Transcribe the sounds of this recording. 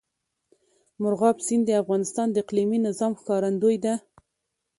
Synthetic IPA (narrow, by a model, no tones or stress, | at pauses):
mʊɾɣɑpsind̪əafɣɑnɪst̪ɑnd̪əɪqliminɪzɑmxkɑɾand̪ojd̪a